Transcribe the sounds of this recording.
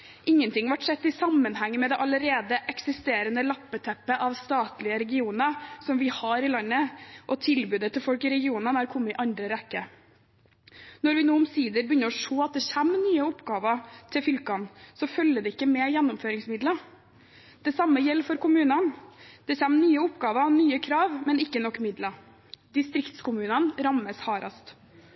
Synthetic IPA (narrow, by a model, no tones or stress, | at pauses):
ʔɪŋːənt̪ʰɪŋːʋɑʈʂɛt̪ːɪsɑmːənhæŋːəmɛd̪ɛʔɑləɾeːd̪əʔɛksɪst̪eːɾənəlɑpːət̪ʰɛpːəʔɑʋst̪ɑːt̪lɪəɾɛɡɪuːnəsɔmʋɪhɑɾɪlɑnːəʔɔt̪ʰɪlbʉːd̪ət̪ːɪlfɔlkɪɾɛɡɪuːnənɑɾkʰʊmːəɪʔɑnd̪ɾəɾɛkːə | nɔɾʋɪnoːɔmsiːd̪əɾbəjʏnːəɾɔʂoːɑt̪̚d̪ɛçæmːnyːəʊpɡɑːʋət̪ʰɪfʏlkɑnsɔfœlːəd̪ɛɪkːəmɛjɛnːʊmføːɾɪŋsmɪd̪lə | d̪̥ɛsɑmːəjɛlːfɔɾkʊmʉːnənd̪̥ɛçæmːnyːəʊpɡɑːʋənyːəkʰɾɑːʋmɛnɪkːənɔkːmɪd̪lə | d̪ɪst̪ɾɪkt̪skʰʊmʉːnənɾɑmːəshɑːɾɑ̰st̪